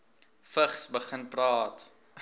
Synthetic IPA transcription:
fəχsbəχənprɑːt

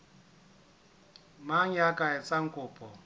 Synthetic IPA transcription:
maɲakʼaɛt͡sʼaŋ̩kʼʊːpʼɔ

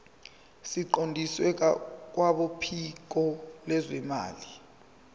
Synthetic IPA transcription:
siǃondʱiswɛk̬ak̬waɓopʰik̬ɔlɛzwɛma̰ːli

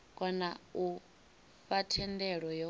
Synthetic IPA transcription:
kʼɔnau | ɸatʰɛndɛɺɔjɔ

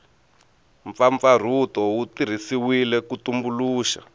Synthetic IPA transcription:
ɱfaɱfar̤utɔwutir̤isiwilɛkutumbuluːʃa̰

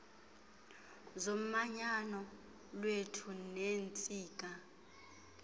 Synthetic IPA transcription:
zom̩maɲanɔ | lwetʰunent͡sʼiːk̬ʼa

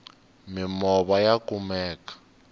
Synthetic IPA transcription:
mimɔβajakumɛːkḁ

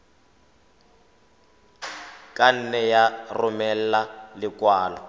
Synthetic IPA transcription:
kʼan̩nɛjarʊmɛl̩lalɪkʼwaːlɔ

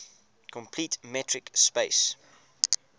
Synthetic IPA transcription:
kʰɔ̃mpʰlitmɛtʰɹɪkspeɪs

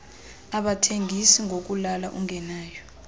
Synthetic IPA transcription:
aɓatʰeŋʱisiŋɡʱok̬ulalaʔuŋʱɛnaːjɔ

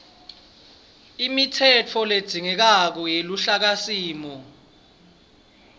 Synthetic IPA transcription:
imitʰɛt͡fʰɔled̥ʱiŋɛk̬ak̬ɔjeluɬak̬asiːmɔ

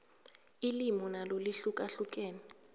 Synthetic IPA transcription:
ilimɔnaloliɬukʼaɬuk̬ʼɛːni

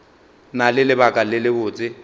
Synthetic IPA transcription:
nalɪlɪbakʼalɪlɪbʊːt͡sʼɪ

